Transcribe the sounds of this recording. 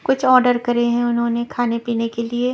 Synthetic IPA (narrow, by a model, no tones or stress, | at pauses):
kʊt͡ʃʰɔːɾɖəɾkɐɾeɦɛ̃ʊnɦõːnekʰaːnepiːnekelie